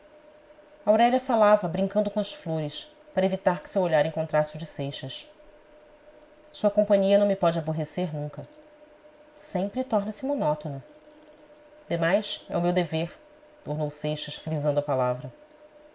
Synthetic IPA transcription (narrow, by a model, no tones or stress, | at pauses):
awɾɛʎɐfalavɐbɾĩŋkɐ̃nd̪ʊkõɐsfloɾɪs | paɾɐevit̪aɾkɪ̥sewoʎaɾẽŋkõnt̪ɾasɪud͡ʒɪsejʃɐs | suɐkõpɐ̃ɲiɐnɐ̃w̃mipɔd͡ʒɪaboɦeseɾnũŋkɐ | sẽmpɾɪt̪ɔɦnɐsɪmonɔt̪onɐ | d̪emajsɛ̰ʊmewd̪eveɾ | t̪ohnowsejʃɐsfɾizɐ̃nd̪ʊɐpalavɾɐ